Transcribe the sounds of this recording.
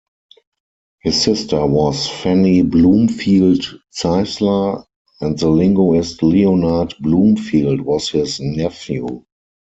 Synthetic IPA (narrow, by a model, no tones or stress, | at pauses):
hɪsːɪstə˞wɔsfæniblũːmfiːltsaɪslə˞ | ɛ̃ntðəlɪ̃ŋɡoɪstlionadblũːmfiːldwɔshɪsnɛfjṵ